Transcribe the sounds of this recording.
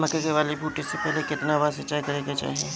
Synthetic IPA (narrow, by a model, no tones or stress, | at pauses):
mɐkəkeʋaːlepuːʈesepɛɦlekɪt̪naʋɐasɐt͡ʃaːjkɐɾeːɡat͡ʃa̰ːɦieː